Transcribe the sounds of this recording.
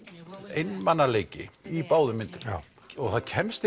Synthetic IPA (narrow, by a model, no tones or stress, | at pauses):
ejnːmanːaleːjcɪ̰ipaːwðʏmɪnt̪ɪn | ɔɣθaðcʰɛmst̪